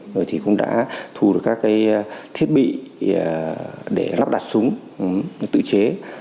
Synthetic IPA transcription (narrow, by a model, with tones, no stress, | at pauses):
zo˨˩jt̪ʰi˨˩kʊ̰˧˥ŋ͡mɗa̰ː˧˥t̪ʰu˨˩ɗkaː˦˥kːaː˨˦jt̪ʰi˦˥ət̚ɓḭ˧˨˩ | ɗe˧˩la˦˥p̚ɗaː˨˩t̚sʊ˨˦ŋ͡m | t̪ɨ̰˧˨t͡ɕe˨˦